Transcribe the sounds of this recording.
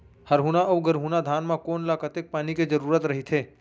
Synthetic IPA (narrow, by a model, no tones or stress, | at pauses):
həɾɦunaʔɐwɡəɾɦũːnad̪ʱaːnmãkoːnlakət̪ek̚paːniked͡ʒəɾuːɾət̪ɾɐɦit̪ʰeː